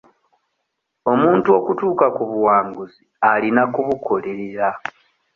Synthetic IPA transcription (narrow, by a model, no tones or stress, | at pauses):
o̞muːntuo̞kutuːkakuβuwaːŋɡuzialinakuβukʰo̞le̞ɾeɾa